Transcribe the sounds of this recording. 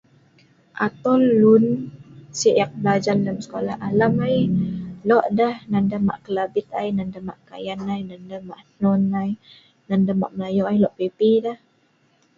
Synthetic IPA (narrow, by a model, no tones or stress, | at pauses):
ʔat̪ɔlːunsiʔak̚blad͡ʒanləmsə̥kolahalamajlɔʔdahnandəma̰ʔkəlabɪt̪ajnandama̰ʔka̰janajnandamaʔnɔnaj | nandama̰ʔməlajɔʔajlɔʔpipidah